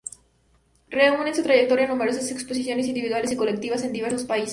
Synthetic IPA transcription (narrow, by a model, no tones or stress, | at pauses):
reune̞nsut̪ɾaʝe̞k̚t̪o̞ɾjanume̞ɾo̞sase̞kspo̞s̬isjo̞nes̬ind̪iβiðwale̞siko̞lek̚t̪iβas̬e̞nd̪iβazlospais